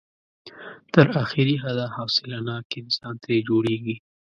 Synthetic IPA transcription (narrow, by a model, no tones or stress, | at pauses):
t̪əɾaxɪɾiɦad̪ahawsɪlanɑkɪnsɑnt̪ad͡ʒoɽeɡi